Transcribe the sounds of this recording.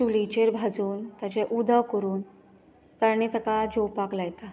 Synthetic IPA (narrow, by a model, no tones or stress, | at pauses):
sulit͡ɕeɾbʱad͡zuːnt̪at͡ɕɛʔud̪ʱəkəɾuːn | t̪aɳ̃it̪əkad͡ʑopaklajt̪a